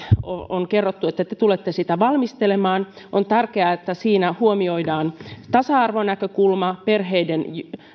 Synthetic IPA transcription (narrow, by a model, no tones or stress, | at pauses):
o̰onkerːot̪ːuet̪ːæt̪et̪ulet̪ːesit̪æʋɑlmist̪elemɑːn | ʔont̪ærkeɑet̪ːæsiːnæhuomioidɑːnt̪ɑsɑɑrʋonækøkulmɑperɦeiden